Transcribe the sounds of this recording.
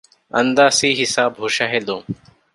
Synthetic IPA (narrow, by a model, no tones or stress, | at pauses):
ə̰nd̪aːsiːɦɪsaːbɦoːʃaːɦeːd̪õː